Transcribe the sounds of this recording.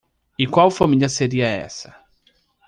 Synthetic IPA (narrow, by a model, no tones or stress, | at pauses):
ikwaufamiɲasɛɾiaɛ̰sa